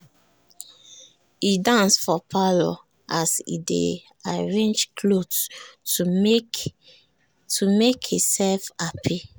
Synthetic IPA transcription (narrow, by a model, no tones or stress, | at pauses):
idãnsfɔpʰalɔ̰ | ʔasḭdḛ | aɹẽnd͡ʒkʰlod | tumekhisɛlfapʰi